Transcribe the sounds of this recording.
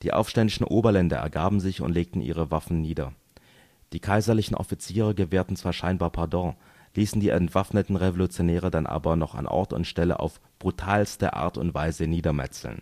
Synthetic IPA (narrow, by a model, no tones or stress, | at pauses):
d̥iːʔa̰ʊfʃtɛndɪʃn̩ʔoːbɐlɛndɐ̰ʔɛ̰ɐɡaːbm̩zɪçʊ̰ntleːk̚tn̩ʔḭːʁ̞əvafn̩niːdɐ̰ | d̥iːkʰaɪzɐlɪçn̩ʔɔ̰fit͡siːʁəɡəveːɐtn̩t͡sv̥aːɐʃaɪnbaːɐpʰaɐdɔ̃ː | liːsn̩diːʔɛ̰ntv̥afnətn̩ʁevolut͡sjonɛːʁ̞ədanʔa̰ːbɐnɔχa̰nʔɔ̰ɐtʊ̰ntʃtɛlə̰ʔa̰ʊf | b̥ʁutʰaːlstəʔa̰ːɐtʊ̰ntv̥aɪzəniːdɐmɛ̰t͡sl̩̰n